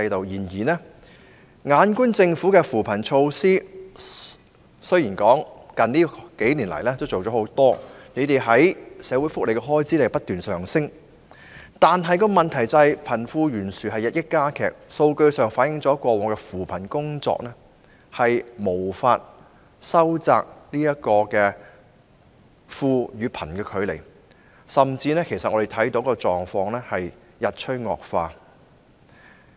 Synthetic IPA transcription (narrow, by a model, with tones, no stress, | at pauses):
ɐ˧jt̪o˨wjiː˨˩njiː˨˩nɛː˥ | ŋaː˨˧nkuː˥nt͡sɪ˧ŋfuː˨˥kɛː˧fuː˨˩pʰɐ˨˩nt͡ʃʰo˧wsiː˥ | sɵ˥ɥjiː˨˩nkɔː˨˥ŋkɐ˨nliː˥ke˨˥jniː˨˩nlɐ̰˨˩jlɛː˥t͡sɐ˨˩wt͡so˨wɔ˨˥ho˨˥wt̪ɔː˥ne˨˧jt̪e˨jɦɐ˨˥jsɛː˨˧wu˨˥jfʊ˥k̚le˨˧jkɛ˧ɦɔː˥jt͡siː˨˥le˨˩jpɐ˥t̚t̪yː˨nsœː˨˩ŋsɪ˥ŋ | t̪aː˨nɦɐ˨jkɔː˧mɐ˨nt̪ʰɐ˨˩jt͡sɐ˧jpʰɐ˨˩nfuː˧jyː˨˩nsyː˨˩ɦɐ˨jɐ˨t̚jɪ˥k̚kːaː˥kʰɛ̰ː˨˩k̚so˧wkɵ˧ɥsœː˨ŋfaː˨˥t̚jɪ˨˥ŋt͡sɔː˨˥kʷɔː˧wɔː˨˩ŋkɛ˧fuː˨˩pʰɐ˨˩nkʊ˥ŋt͡sɔ̰ː˧k̚nɛː˥ | hɐ˨jmo˨˩wfaː˧t̚ | sɐ˥wt͡sa̰ː˧k̚niː˥jɐ˥t̚kɔː˧kɛː˧ | fuː˧jyː˨˧pʰɐ˨˩nkɛː˧kʰɵ˨˧ɥlḛ˨˩j | sɐ˨mt͡siː˧nɛː˥kʰe˨˩jsɐ˨ʔɔː˨˧de˨jt̪ʰɐ˨˥jt̪o˨˧˥wkɔː˧t͡ʃɔː˨ŋfɔː˧ŋlɛː˥hɐ˨j | jɐ˨t̚t͡ʃʰɵ˥ŋɔ̰ː˨k̚faː˧